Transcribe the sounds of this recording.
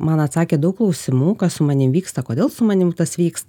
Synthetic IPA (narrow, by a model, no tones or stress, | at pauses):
mɐnɐt̪sɑːkʲeːd̪ɐʊklˠɐʊsʲɪmuːkɐssʊmɐnʲɪmʋʲiːkst̪ɐkoːd̪ʲeːlˠsʊmɐnʲɪmt̪ɐsʋʲiːkst̪